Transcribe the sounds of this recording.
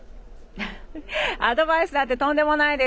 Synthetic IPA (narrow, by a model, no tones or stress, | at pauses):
ad̪o̞baisɨd̪at̪ːe̞t̪õ̞nd̪e̞mo̞naid̪e